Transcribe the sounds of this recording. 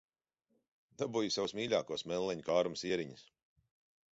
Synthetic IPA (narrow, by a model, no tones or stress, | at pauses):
d̪abujusawsmʲiːʎʲaːkuɔsmɛlˠːɛɲukaːɾmsiːɛɾiɲis